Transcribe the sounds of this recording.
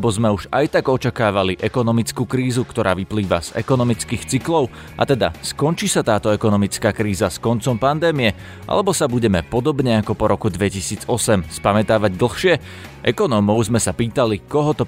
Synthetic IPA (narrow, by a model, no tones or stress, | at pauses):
bɔzmɛuʒajt̪aɡɔt͡ʃakaːʋaliʔɛkɔnɔmit͡skuːkɾiːzukt̪ɔɾʔa̰ːʋipliːʋa̰z̥ɛ̰kɔnɔmit͡skiːxt͡siklɔʊ | ʔa̰t̪ɛd̪a̰skɔnt͡ʃiːsat̪aːt̪ɔɛkɔnɔmit͡skaːkɾiːzaskɔnt͡sɔmpand̪ɛːmijɛ | ʔa̰lɛbɔsabuɟɛmɛpɔd̪ɔbɲɛakɔpɔɾɔkud̪ʋɛcisiːd͡zɔsɛmspamɛt̪aːʋaɟd̪l̩ˠxʃɪɛ | ʔɛkɔnɔmɔʊzmɛsapiːt̪alikɔɦɔt̪ɔ